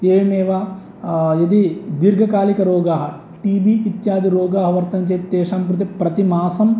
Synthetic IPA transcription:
eːmeːʋaː | jɐd̪id̪iɾɡʱɐkaːlikɐɾoːɡaːɦɐ̆ | ʈiːbiit̪jaːd̪iɾoːɡaːɦɐʋɐɾt̪ɐnt͡ʃɐːt̪t̪eːʃaːmkɾut̪̬ipɾɐt̪imaːsɐm

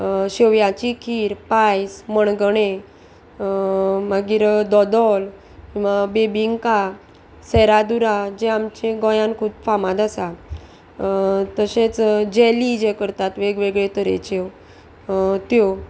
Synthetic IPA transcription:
ɕeʋjãt͡ɕikʰiːɾpajsməɳɡəɳe | məɡiːɾd̪ɔd̪ɔl | kĩʋabebiŋɡka | sɛɾad̪uɾad͡ʑeamt͡ɕẽɡɔ̃jãnkʰuːt̪famad̪asa | t̪əɕet͡sd͡ʑɛlid͡ʑekəɾt̪at̪ʋeɡʋeɡɭet̪əɾḛt͡ɕe | t̪jo

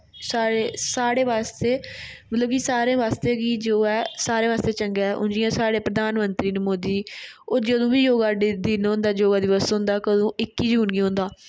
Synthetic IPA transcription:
saːɽeːsaːɽeːʋaːst̪eːmət̪ləbkisaːɾẽːʋaːst̪eːɡiːd͡ʒoːɛːsaːɾẽːʋaːst̪eːt͡ʃəŋɡɛːʔʊ̰nd͡ʒɪjãːsaːɽeːpɾəd̪ʱaːnmənt̪ɾiːnmoːd̪iːoːd͡ʒəd̪õːʋiːjoːɡaːɖd̪inɦõnd̪aːd͡ʒoːɡaːd̪ɪʋəsɦʊ̃nd̪aːkəd̪õːɪkːiːd͡ʒuːnɡiːɦʊ̃nd̪aː

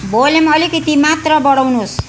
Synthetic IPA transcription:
bolemʌlikʌt̪imat̪rʌbʌɽawnus

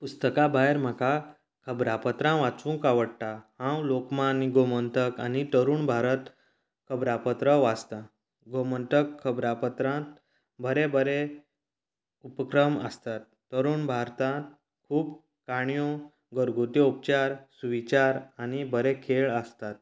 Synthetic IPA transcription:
pust̪əkabaeɾm̤aka | kʰəbɾapət̪ɾãʋat͡sũŋkaʋəɽʈ̪ahãwlokmãniɡomənt̪əka̰nit̪əɾuːɳbʱaɾət̪ | kʰəbɾapət̪ɾəʋad͡zt̪a | ɡomənt̪əkʰːəbɾapət̪ɾãt̪ | bʱəɾebʱəɾe | upəkɾəməst̪at̪ːəɾuːɳbʱaɾt̪ãt̪̚ | kʰuːb | kaɳjo | ɡəɾɡʱot̪ɔup̚t͡ɕaɾsuʋit͡ɕaɾanibʱəɾekʰeɭəst̪at̪̚

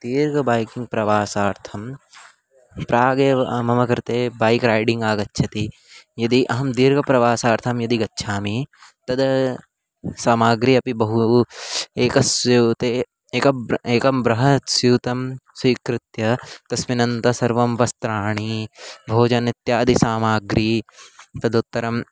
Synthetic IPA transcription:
d̪̥iːɾɡɐbaːjkiŋɡ̚pɾɐʋaːsaːɾt̪ʰɐm | pɾaːɡemɐmɐkɐɾt̪eːbaːjkɾaːjɖiŋɡaːɡɐtːʃʰɐt̪i | jɐd̪iʔɐɦɐmd̪iːɾɡɐpɾɐʋaːsaːɾt̪ʰɐmjɐd̪iɡɐtːʃʰaːmit̪ɐd̪ɐ | saːmaːɡɾiɐpibɐɦu | eːkɐsut̪e | eːkɐeːkɐmbɾɐɦɐsjuːt̪ɐmswiːkɾɪt̪jɐt̪ɐsʋinɐnt̪ɐsɐɾʋɐmʋɐst̪ɾaːɳ̃ibʱoːd͡ʒɐnit̪jaːd̪isaːmaːɡɾiːt̪ɐd̪ut̪ːɐɾɐm

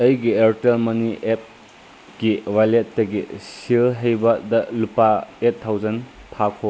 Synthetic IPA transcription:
ɐjɡiɐɾtelmɐniʔep̚ | kiwajletːɐɡisilɦejbɐdɐlupaetʰːawzɐnpʰakʰo

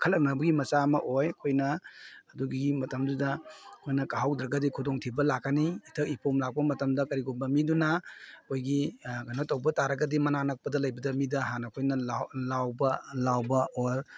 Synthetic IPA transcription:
kʰɐlɐk̚nabɐɡimɐsamɐʔojɐkʰojnɐːduɡiɡimɐtɐmdudɐkʰojnɐkaɦawdɾɐɡɐdikʰudoŋtʰibɐlakːaniːtʰɐk̚ipʰomlak̚pɐmɐtɐmdɐkɐɾiɡonbɐmidunakʰojɡiɡɐnɐtɐwbɐtaɾɐɡɐdimɐnanɐk̚pɐdɐlɐjbɐdɐmidɐɦanɐkʰojnɐlalawbɐlawbɐoɾ

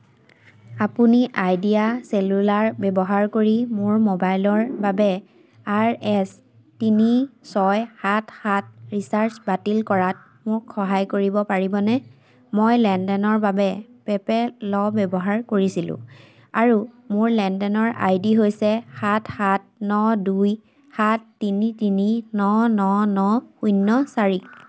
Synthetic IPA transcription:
apuniʔajdiaselulaɹbɛbɔɦaɹkoɹimʊɹmobajlɔɹbabɛ | aɹɛs | tinisɔjhathat̚ɹisaɹsbatilkɔɹat̚ | mʊkxɔɦajkoɹibɔpaɹibɔnɛ | mojlɛndɛnɔɹbabɛpɛpɛlɔbɛbɔɦaɹkoɹisilʊ̰̃ | aɹu | mʊɹlɛndɛnɔɹa̰jdiɦojsɛhathat̚nɔduj | hatːinitininɔnɔnɔujnːɔsaɹik

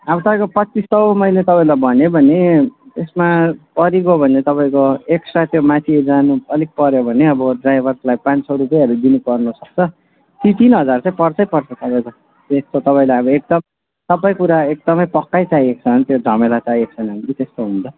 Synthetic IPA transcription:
abʌt̪ʌpaj̃kopʌt͡sist̪ʌwmʌjlet̪ʌpaĩlabʱʌnobʱʌnet̪esmapʌɾiɡobʱʌnet̪ʌpaĩkoeksʈrat̪jomãt̪ʰied͡zanuʌlik̚pʌɾjobʱʌneʌbʌɖrajbʱʌrslajpãnsʰʌwɾupʌjɦʌɾud̪inupʌrnusʌk̚t͡sʰʌ | tit̪inɦʌd͡zart͡sãĩpʌrt͡sʰʌjpʌrt͡sʰʌt̪ʌpaĩkʌ | t̪est̪ot̪ʌpãĩlajʌbʌek̚d̪ʌm | t̪ʌpaĩkuɾaek̚d̪ʌmʌjpʌkːajt͡sajek̚t͡sʰʌnt̪jod͡zʱʌmelat͡saiek̚t͡sʰʌnʌnt̪it̪est̪oɦũnt͡sʰʌ

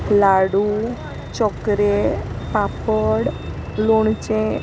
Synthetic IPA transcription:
laɽu | t͡ʃɔkɾepapəɽ | loɳt͡ʃẽ

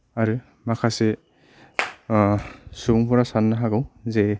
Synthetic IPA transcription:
aɾɯ | makʰase | suŋpʰɔɾasanːaɦaɡɯwze

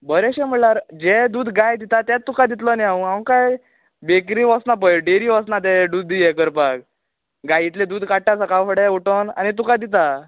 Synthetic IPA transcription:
bəɾeɕɛm̤əɭlaɾd͡ʑed̪uːd̪ɡajd̪it̪at̪jatt̪ːukad̪it̪̬ləniãɦãwkaj | bekɾiʋasnap̬əɖeɾiʋasnat̪̬eɖud̪ijekəɾpak̚ | ɡajit̪led̪uːd̪kaʈːasakawfəɽeuʈəna̰nit̪ukad̪it̪a

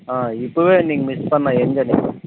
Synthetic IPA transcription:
aːɪpːoʋeːniːŋɡɐmɪspɐnːãːɛnd͡ʒɐniːɡɐ

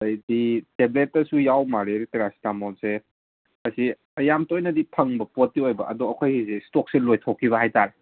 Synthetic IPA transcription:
ojditebletːɐsujawmaɾeɾiteɾasi̥tamɔlse | ɐsi | ɐjamtojnɐdipʰɐŋbɐpotːiojbɐʔɐdɔɐkʰojɡisestok̚selojtʰokʰːiβɐɦajtaɾe

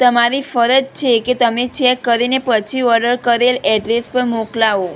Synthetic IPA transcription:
t̪əmaɾifəɾət̪̚t͡ʃʰeket̪əmet͡ʃɛkːəɾinepət͡ʃʰiɔɾɖəɾkəɾelɛɖɾespəɾmoklaʋo

